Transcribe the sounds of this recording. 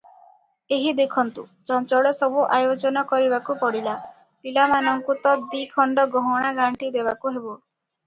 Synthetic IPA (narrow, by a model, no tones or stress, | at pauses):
eɦid̪ekʰɔnt̪ud͡ʒant͡ʃɔɭɔsɔbuʔajod͡ʒɔnɔkɔɾibakupɔɽila | pilamanɔŋkut̪ɔd̪ikʰɔɳɖɔɡɔɦɔɽ̃aɡaɳʈid̪ebakuɦebo